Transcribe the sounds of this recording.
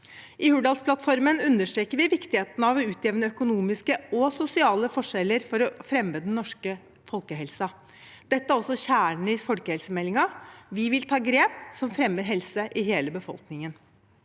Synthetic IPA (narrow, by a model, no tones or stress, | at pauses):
ʔɪhʉɖɑːlspʰlɑt̪fɔɾmənʉnːəʂʈ̪ɾeːkəɾʋɪʋɪkt̪ɪheːt̪nəɑʋɔʉːt̪ʰjeːʋnəœkʊnuːmɪskəɔsʊsɪɑːləfɔʂɛlːəɾfɔɾɔfɾɛmːəd̪nnɔʂkə | fɔlkəɦɛlsɑ | d̪̥ɛt̪ːəæɾɔsːɔɕæːɳ̩ɪfɔlkəhɛlsəmɛlːɪŋɑʋɪʋɪlt̪ʰɑːɡɾeːpsɔmfɾɛmːəɾɦɛlsəʔɪɦeːləbəfɔ̰lknɪŋən